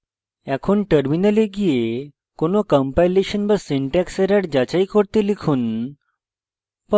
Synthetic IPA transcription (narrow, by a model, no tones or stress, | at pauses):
ɛkʰonʈəɾminəleɡije | konokəmpajleʃənbəsiɳʈɛksɛɾaʈd͡ʑat͡ɕaikoɽt̪elikʰuːn | pə